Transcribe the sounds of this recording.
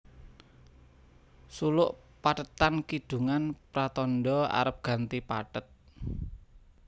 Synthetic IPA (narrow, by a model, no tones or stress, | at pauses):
sulʊʔ | paʈət̪ankid̥ṳŋanpɾat̪ɔnɖɔa̰ɾəp̚ɡ̥ä̤nt̪ipa̰ʈət̪̚